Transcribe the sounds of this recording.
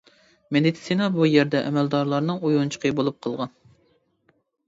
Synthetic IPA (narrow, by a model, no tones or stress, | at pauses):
med̪it̪sinɑbujɛɾd̪ɛʔɛmɛld̪ɑɾlˠɑɾnɨŋujunt͡ʃʰə̥qʰəbolˠup̚qʰəlˠʁɑn